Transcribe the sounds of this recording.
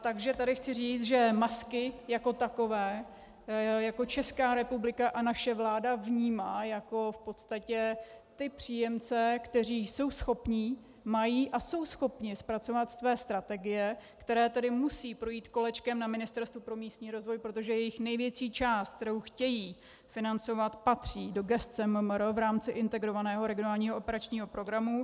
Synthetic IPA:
t̪aɡʒɛt̪adɪxt͡sɪriːt͡sʒɛmaskɪjako̞t̪ako̞vɛː | jako̞t͡ʃɛskaːɾɛpublɪkaʔanaʃɛvlaːdavɲiːmaːjako̞fpo̞t̪st̪acɛt̪ɪpr̝̥iːjɛmt͡sɛkt̪ɛr̝iːso̞wsxo̞pɲiː | majiːʔaso̞wsxo̞pɲɪspɾat͡so̞vat̪st̪vɛːst̪ɾat̪ɛɡɪjɛkt̪ɛɾɛːt̪ɛdɪmusiːpɾo̞jiːt̪ko̞lɛt͡ʃkɛmnamɪnɪst̪ɛɾst̪vupɾo̞miːst̪ɲiːɾo̞zvo̞jpɾo̞t̪o̞ʒɛjɛjɪxnɛjvjɛt͡ʃiːt͡ʃaːst̪̚kt̪ɛɾowxcɛjiː | fɪnant͡so̞vat̪pat̪r̝̥iːdo̞ɡɛst̪t͡sɛmɛmɛɾovɾaːmt͡sɪʔɪnt̪ɛɡɾo̞vanɛːɦo̞ɾɛɡɪonaːlɲiːɦoopɛɾat͡ʃɲiːɦo̞pɾo̞ɡɾamu

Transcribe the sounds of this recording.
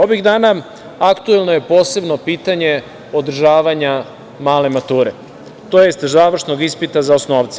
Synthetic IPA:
o̞ʋiɣd̪aːna | akt̪uelˠnoje̞po̞ːse̞bno̞piːt̪aɲe̞ | o̞d̪r̩ʒaːʋaɲa | maːle̞mat̪uːɾe̞ | t̪o̞jest̪zaːʋr̩ʃno̞ɡispit̪azaosnoːʋt̪se̥

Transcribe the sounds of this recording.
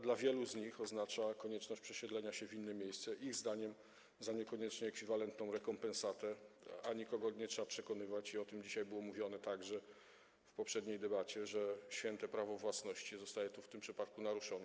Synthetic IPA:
d̪lavʲjɛluzɲixɔznat͡ʂakɔɲɛt͡ʂnɔɕt͡ɕpʂɛɕɛd̪lɛɲaɕɛvʲinːɛmʲjejst̪sɛʔiɣzd̪aɲɛm | zaɲɛkɔɲɛt͡ʂɲɛːkfʲivalɛnt̪nɔ̃w̃ɾɛkɔmpɛ̃nsat̪ɛaɲikɔɡɔɲɛtʂɛbapʂɛkɔnɘvat͡ɕiɔt̪ɘmd͡ʑiɕajbɘwɔmuvʲjɔnɛt̪aɡʐɛ | fpɔpʂɛd̪ɲejd̪ɛbat͡ɕɛʐɛɕfʲjɛnt̪ɛpɾavɔvwasnɔɕt͡ɕizɔst̪ajɛt̪uft̪ɘmpʂɘpat̪̚kunaɾuʂɔnɛ

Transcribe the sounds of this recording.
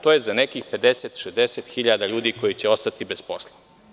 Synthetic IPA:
t̪oːjezanekiːxpe̞d̪e̞set̪ʃezd̪e̞set̪xiʎad̪aʎuːd̪iko̞jit͡ɕeo̞st̪at̪ibespo̞slˠa

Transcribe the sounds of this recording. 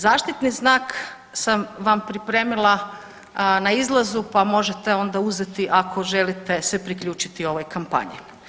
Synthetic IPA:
zaːʃt̪it̪niznaːk | samʋampɾipɾe̞ːmilˠa | naizlˠazupamo̞ʒet̪e̞o̞nd̪auzet̪iʔakʰo̞ʒe̞lit̪e̞sepɾikʎuːt͡ʃi̥t̪io̞ʋojkampa̰ɲḭ

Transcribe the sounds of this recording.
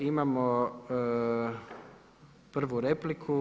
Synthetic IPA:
imamo | pr̩ʋuɾeplikʰu

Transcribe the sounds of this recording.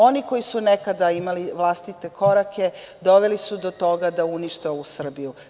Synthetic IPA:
o̞niko̞jisunekad̪aimaliʋlˠast̪it̪e̞ko̞ɾake̞ | d̪o̞ʋe̞lisud̪o̞t̪o̞ɡad̪auniʃt̪ousr̩biju

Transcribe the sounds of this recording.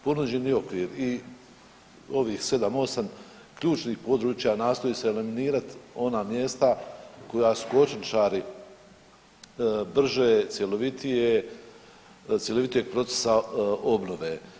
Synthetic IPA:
po̞nuːd͡ʑe̞niːo̞kʋiːɾi | o̞ʋiːhse̞d̪amo̞sam | kʎuːt͡ʃniːhpo̞d̪ɾuːt͡ʃjanaːst̪o̞jise̞ːliminiːɾat̪o̞naːmje̞st̪ako̞jaːsu̥ko̞t͡ʃnit͡ʃaːɾi | br̩ʒeːt̪sje̞lo̞ʋit̪ije | t̪sje̞loit̪ije̞ɡ̥̚pɾo̞t̪e̥sao̞bno̞ʋe

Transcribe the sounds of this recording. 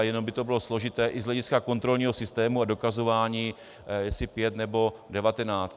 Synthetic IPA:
jɛnombɪt̪obɪlo̞slo̞ʒɪt̪ɛːʔɪzɦlɛɟɪskako̞nt̪ɾo̞lɲiːɦo̞sɪst̪ɛːmuado̞kazo̞vaːɲiː | jɛsɪpjɛt̪nɛbo̞dɛvat̪ɛnaːt͡st̪

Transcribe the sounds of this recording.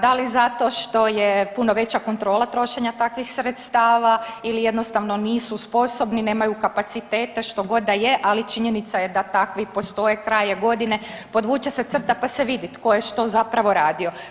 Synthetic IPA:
d̪alizat̪o̞ʃt̪o̞jepunoʋe̞t͡ɕako̞nt̪ɾo̞ːlat̪ɾo̞ʃe̞ɲat̪akʋixsɾet̪st̪aːʋailije̞d̪nost̪aʋno̞niːsuspo̞so̞bnine̞ːmajukapat̪sit̪eːt̪e̞ʃt̪o̞ɡo̞d̪ajeʔalit͡ʃiɲenit̪sajed̪at̪akʋipo̞st̪o̞jekɾajeɡo̞d̪inepo̞d̪ʋuːt͡ɕeset̪sr̩t̪apaseʋid̪it̪ko̞jeʃt̪o̞zapɾaʋo̞ɾaːd̪io̞

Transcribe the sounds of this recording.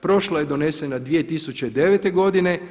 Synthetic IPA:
pɾo̞ʃlajed̪one̞senad̪ʋije̞t̪isut͡ʃe̞id̪e̞ʋet̪e̞ɡo̞d̪ine

